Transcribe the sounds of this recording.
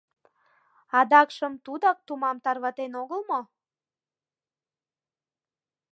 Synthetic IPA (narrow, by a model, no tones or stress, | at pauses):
ɑd̪ɑkʃəmt̪ud̪ɑk̚t̪umɑmt̪ɑrβɑt̪enoɣəlmo